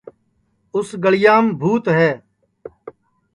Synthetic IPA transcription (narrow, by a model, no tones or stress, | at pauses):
ʊsɡəɭɪjaːmbʱuːt̪ɦɛː